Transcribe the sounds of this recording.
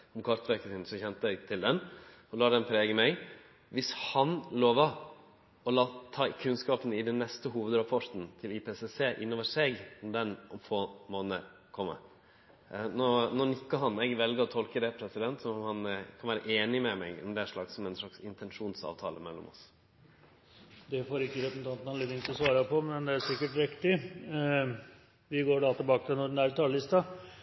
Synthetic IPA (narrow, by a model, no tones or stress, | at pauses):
ɔmkʰɑɾt̪ʋæɾkəsɪnsɔçɛnt̪əɛɡt̪ʰɪld̪ɛn | ɔlɑːd̪ɛnpʰɾeːɡəmɛɪɡ | ʋɪshɑnloːʋə | ɔlɑːt̪ʰɑːkʰʉnskɑːpənɪd̪ɛnːɛst̪əɦuːʋəd̪ɾɑpʰɔʈ̪n̩t̪ʰɪlɪpʰeːsɛseːʔɪnːoːʋəʂɛɡmd̪ɛnɔmfoːmoːnə̰ɾ | kʰɔmːə̰ | nɔnɔnʏkːəɦɑnɛɡʋɛlɡəɾɔt̪ʰɔlkəd̪ɛpʰɾɛsɪd̪ɛnt̪sɔmmhɑnkʰɑnʋæːɾəʔeːnɪmɛmɛ̰ɡɔ̰md̪ɛæʂɭɑksɔmɛnʂɭɑksɪnt̪ʰɛnʂuːnsɑ̰ːʋt̪ʰɑ̰ːlə̰mɛlːɔ̰mɔ̰s | d̪ɛfoːɾɪkːəɾɛpən̩t̪ɑnt̪n̩hɑnleːd̪ɪŋt̪ɔsʋɑːɾɑpʰɔmɛnd̪ɛæʂɪkːəʈɾɪkt̪ɪ | ʋɪɡoːɖɑt̪ʰɪbɑːkət̪ʰɛnɔɖnæɾt̪ʰɑːləlɪst̪ɑ